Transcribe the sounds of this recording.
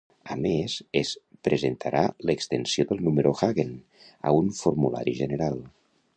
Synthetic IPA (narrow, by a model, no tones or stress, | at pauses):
əmesespɾəzent̪ʰaɾʔaləkst̪ənsioðəlˠnuməɾʔoxaɣen | ə̰unfuɾmula̰ɾiʒənəɾalˠ